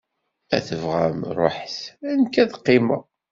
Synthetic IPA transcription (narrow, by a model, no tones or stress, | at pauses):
æ̰θəvʁæmɾˤo̰ħθænkæðqːimə